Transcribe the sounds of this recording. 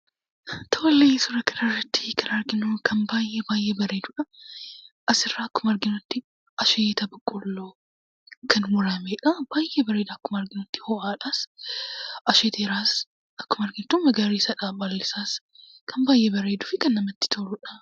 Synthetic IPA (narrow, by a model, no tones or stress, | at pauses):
t̪ʰoːleːsʊɾɐkɐnɐrːɐt̪ːɪ̥kʰɐnɐɾɡɪnuːkʰɐnbaːjʔeːbaːjʔeːbɐɾeːd̪ʊᶑɐ | ʔɐsɪrːaːɐkːʊmɐɾɡɪnʊt̪ːɪ | ʔɐʃeːt̪ɐbɐkʼːʊlːoː | kʰɐnwʊɾaːmeːᶑɐb̥aːjʔeːbɐɾeːd̪aːkːʊmɐɾɡɪnʊt̪ːɪ̥hɔʔaːᶑas | ʔɐʃeːt̪eːɾaːs | ɐkːʊmɐɾɡɪnt̪ʊmɐɡaːɾiːsɐᶑaːbɐlːɪsaːs | kʰɐmbaːjʔeːbɐɾeːd̪ʊfɪkɐnːɐmɐt̪ːɪ̥t̪ʰoɾʊᶑɐ